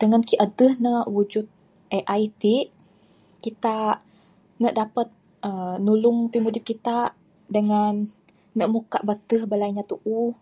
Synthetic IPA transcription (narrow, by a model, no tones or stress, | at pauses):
d̥əŋankiʔədəhnəʔwud͡ʒut̪̚ | ʔeʔajt̪iʔ | kit̪a | nəʔdapət̪̚ | ʔənulʊŋpimudip̚kit̪a | dəŋanː | əʔmukaʔbət̪əhbəlajɲat̪uʔu